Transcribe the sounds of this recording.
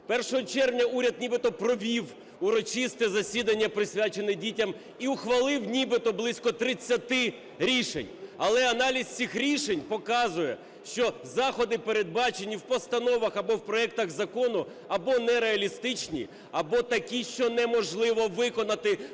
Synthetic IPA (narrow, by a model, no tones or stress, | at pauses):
pɛrʃɔɦɔt͡ʃɛrʋnʲɐuɾʲɐd̪̚nʲibɪt̪ɔpɾɔʋʲiw | ʊɾɔt͡ʃist̪ɛzɐsʲid̪ɐnʲːɐpɾɪsʲʋʲat͡ʃe̞nɪdʲitʲɐm | iʊxʋɐlˠɪwnʲibɪt̪ɔblˠɪsʲkɔt̪ɾɪt͡sʲːɐt̪ɪ | ɾʲiʃḛnʲɐlˠɛɐnɑlʲisʲt͡sʲixɾʲiʃenʲpɔkɑzʊjɛ | ʃt͡ʃɔzɑxɔd̪ɪpeɾed̪̚bɑt͡ʃenʲːiwpɔst̪ɐnɔʋɐxɐbɔwpɾɔɛk̚t̪ɐɣzɐkɔnʊ | ɐbɔnɛɾeɐlʲist̪ɪt͡ʃnʲḭ | ɐbɔt̪ɐkʲiʃt͡ʃɔnɛmɔʒlˠɪʋɔʋɪkɔnɐt̪ɪ